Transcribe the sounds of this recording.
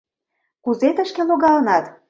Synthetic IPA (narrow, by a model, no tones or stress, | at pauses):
kuzet̪əʃkeloɣɑlɤnɑt̪